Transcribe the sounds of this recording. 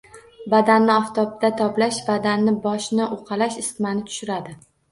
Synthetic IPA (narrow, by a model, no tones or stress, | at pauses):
bad̪anːɪɒft̪ʰɒp̚d̪at̪ʰɒplaʃbad̪anːɪbɒʃnɪʔoqʰɑlaʃɪst̪manɪt̪ʰʊ̥ʃʊɾad̪ɪ